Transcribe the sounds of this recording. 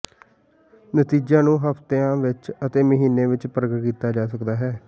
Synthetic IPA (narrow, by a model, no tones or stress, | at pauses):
nət̪iːd͡ʒãːnũːɦəpt̪eãːʋɪt͡ʃət̪eːməɦiːnẽːʋɪt͡ʃpəɾəɡəʈkiːt̪aːd͡ʒaːsəkd̪aːɦɛː